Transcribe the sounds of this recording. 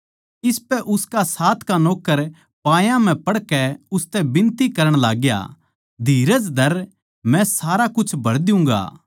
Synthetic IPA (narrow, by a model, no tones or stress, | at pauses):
ɪspɛʔʊskasaːt̪ʰkanoːkːəɾ | paːjãm̤ɛ̃pɐɽkɛʊst̪ɛbɪ̃nt̪ikɐɾəɽ̃laːɡja̰ | d̪ʱiːɾəd͡ʒd̪ʱɐɾ | mɛ̃saːɾakʊt͡ʃʰbʱɐɾd̪ɪʊ̃ŋ̆ɡa̰ː